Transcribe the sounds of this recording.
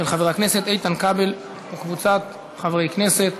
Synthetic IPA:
elχaveʁakne̞se̞t̪ejt̪ankabel | ekvut͡sat̪ | χavʁejkne̞se̞t̪

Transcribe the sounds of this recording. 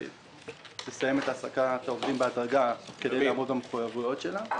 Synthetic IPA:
tesaje̞me̞t̪aːsakat̪aovd̪imbead̪ʁaɡakedejlaːmʁot̪ameχujavujo̞t̪ʃe̞la

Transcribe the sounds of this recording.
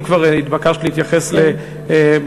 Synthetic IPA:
kvaʁit̪bakaʃliit̪jaχesle

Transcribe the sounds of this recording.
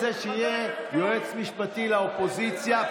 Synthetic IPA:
eʃeijejoet͡smiʃpat̪ilaopo̞zit͡sja

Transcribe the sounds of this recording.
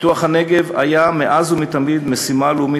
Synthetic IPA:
tuaχhane̞ɡe̞va̰jameʔazumit̪amid̪mesimalumi

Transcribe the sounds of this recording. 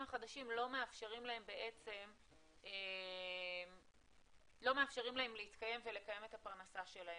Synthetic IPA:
maχad̪aʃimlo̞me̞afʃe̞ʁimlahe̞mbe̞ʔe̞t͡se̞m | e | lo̞me̞afʃe̞ʁimlahe̞mleit̪kaje̞mvele̞kaje̞me̞t̪apaʁnasaʃe̞lae

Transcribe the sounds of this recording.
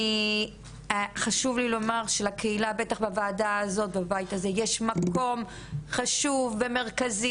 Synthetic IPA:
i | χaʃuvlilo̞maʁʃelakʰeilabe̞taχbavaːdaːzo̞t̪̚babajt̪aze̞jeʃmakʰo̞m | χaʃuvːe̞me̞ʁkazi

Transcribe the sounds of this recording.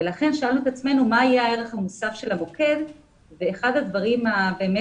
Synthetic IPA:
velaχe̞nʃoalnuet̪at͡sme̞numaːjaae̞ʁeχhamusafʃe̞lamo̞ke̞d | veːχad̪had̪vaʁimabe̞ːme

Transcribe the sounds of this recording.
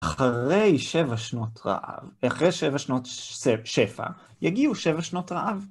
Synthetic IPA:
ʔaχaʁejʃevaʃnotʁa̰ʔa̰vaχʁejʃevaʃnoteʃefa̰ | jaɡiuʃe̞vaʃno̞tʁaʔav

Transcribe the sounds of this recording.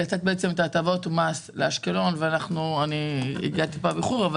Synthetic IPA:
at͡sat̪̚beet͡se̞met̪aːt̪avo̞t̪masleaʃkelo̞nveanaχnuaniḭɡat̪ipabiχuʁava

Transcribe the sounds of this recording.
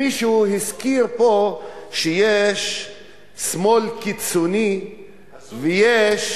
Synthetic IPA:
iʃuhiskiɾpoʃejeʃ | smolkit͡soni | vejeʃ

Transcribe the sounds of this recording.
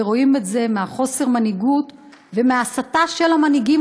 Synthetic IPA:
ʁo̞imetze̞meaχo̞se̞ʁmaniɡut | ve̞measataʃe̞lamaniɡim

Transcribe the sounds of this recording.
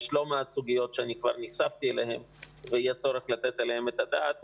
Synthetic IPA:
ʃlo̞meat͡suɡijo̞tʃeanikva̰ʁniχsaft̪ielehe̞m | vejat͡so̞ʁeχlat̪et̪elehemet̪ad̪aːt̪

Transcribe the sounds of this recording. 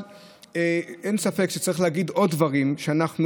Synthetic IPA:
eʔensafe̞kʃet͡saʁiχlehaɡid̪o̞d̪dːvaʁimʃeanaχnu

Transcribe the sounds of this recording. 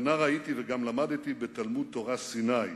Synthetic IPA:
naʁait̪iveɡamlamad̪t̪ibet̪almud̪̚t̪o̞ʁasinaj

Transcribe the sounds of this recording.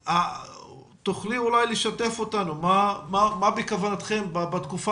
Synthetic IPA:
a | t̪oχlimulajleʃat̪e̞fo̞t̪anumamamabikavanat̪χe̞mbabat̪kufa

